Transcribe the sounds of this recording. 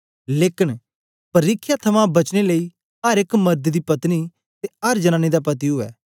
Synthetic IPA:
leːkɪn | pɐɾiːkʰːjat̪ʰɐmãbɐt͡ʃneləiː | ɐɾɪkmɐɾd̪d̪iːpɐt̪ni | t̪eɐɾd͡ʒənãːñid̪apɐt̪iɦʊɛ̰ː

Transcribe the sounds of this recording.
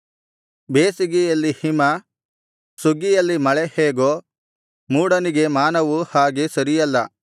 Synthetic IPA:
beːsiɡejɐlːihimɐ | suɡijɐlːimɐɭeheːɡoː | muːɽɐniɡe̞maːnɐʋuhaːɡesɐɾijɐlːɐ

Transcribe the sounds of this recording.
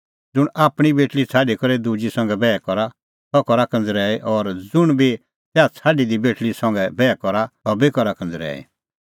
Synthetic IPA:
d͡zʊɽ̃aːpɽ̃ibeːʈlit͡sʰaːɖikɔɾɛd̪ud͡ʒisɐ̃ŋ̆ɡɛbɛːkɔɾa | t̪ɔkɔɾakɐ̃nd͡zɾɛːeʔɔːɾd͡zʊɽ̃bi | sɛat͡sʰaːɖid̪ibeːʈlisɐ̃ŋɡɛbɛːkɔɾaɔbekɔɾakɐ̃nd͡zɾɛ̰ːḭ

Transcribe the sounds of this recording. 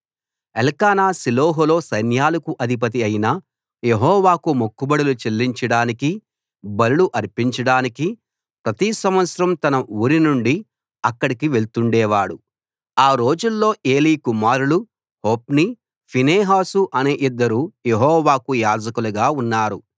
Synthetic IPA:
elkaːnaːsiloːɦulo̞ːsɐjnjaːlɐkuʔɐd̪ʱip̬ɐt̪̬iɐjinɐ | jeɦɔːʋaːkumokːubɐɽulut͡ʃe̞lːiɲt͡ʃɐɽaːniki | bɐluluʔɐɾpiɲt͡ʃɐɽaːniki | pɾɐt̪isɐmʋɐt̪sɐɾɐmt̪ɐnɐuːɾinuɳɖi | ɐkːɐɽikiʋe̞ɭt̪uɳɖɛːʋaːɽu | aːɾo̞ːd͡ʒulːo̞ːʔe̞ːliːkumaːɾulu | hoːpni | pʰineːɦaːsuʔɐneːʔid̪ːɐɾujeɦɔːʋaːkujaːd͡ʒɐkuluɡaːunːaːɾu

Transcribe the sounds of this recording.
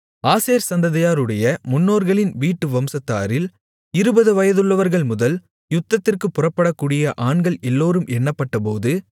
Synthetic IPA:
aːseːɾsɐnd̪ɐðɐjaːɾɯɽɐjɐmʊnːoːɾɣɐɭɪnʋiːʈːɯʋɐmsɐt̪ːa̰ːɾɪl | ɪɾɯbɐðɯʋɐjɐðɯɭːɐʋɐɾɣɐɭmʊðɐl | jʊt̪ːɐt̪ːɪrkɯpːʊrɐpːɐɽɐkːuːɽɪjɐʔaːɳɡɐɭɛlːoːɾɯmʔɛɳːɐpːɐʈːɐp̬oːðɯ

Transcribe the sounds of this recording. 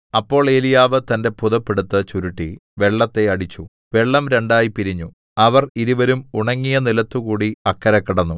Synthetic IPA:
ɐpːo̞ːɭe̞ːlijaːʋɨt̪ɐnde̞puðɐpːeɽut̪ːɨt͡ɕuɾuʈːḭʋe̞ɭːɐt̪ːe̞ɐɽit͡ɕːu | ʋe̞ɭːɐmɾe̞ɳɖaːjipiɾiɲːu | ɐʋɐriɾuʋɐɾumuɳɐŋːijɐnilɐt̪ːukuːɽiɐkːɐɾɐkːiɽɐnːu

